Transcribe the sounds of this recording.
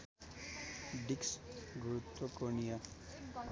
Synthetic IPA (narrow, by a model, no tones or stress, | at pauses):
ɖiksɡɾut̪wokoɳija